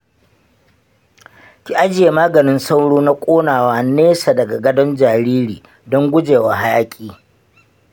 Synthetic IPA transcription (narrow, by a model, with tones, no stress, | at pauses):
kʲi˦ʔa˦d͡ʒɪ˨je˨maː˦ɡɐ˨nɪ˦nsa˦wɽoː˦na˦kʷʼoː˦naː˨waː˦neː˦sa˨dɐ˨ɡa˨ɡɐ˦dɔ˦nd͡ʒaː˨ɾiː˦ɾiː˨ | dɔ˦ŋɡʷʊ˦d͡ʒeː˨wa˨ɦa˦jaː˦kʲʼiː˦˨